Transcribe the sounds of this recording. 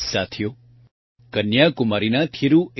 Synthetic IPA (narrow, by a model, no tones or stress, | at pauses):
sat̪ʰijo | kənjakʊmaɾinat̪ʰiɾu